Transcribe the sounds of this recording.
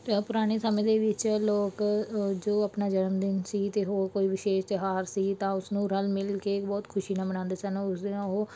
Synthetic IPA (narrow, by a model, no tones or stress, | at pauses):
pʊɾaːñeːsəmẽːd̪eːʋɪt͡ʃloːkd͡ʒoːəpnaːd͡ʒənmd̪ɪnsiːt̪eːɦoːɾkoːiːʋɪʃeːʃt̪ɛɦaːɾsiːt̪ãːʊsnũːɾəlmɪlkeːkbɔːt̪kʰʊʃiːnãːbənãːnd̪eːsɛnːʊsd̪ɦoː